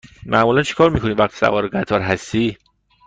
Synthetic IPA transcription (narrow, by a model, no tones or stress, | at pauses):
mʔæʔmuːlænt͡ʃʰe̥kʰɒːɾmiːkʰo̞nivæxt̪ʰi̥sæ̰vɒːɾeɡæt̪ʰɒːɾɦæst̪iː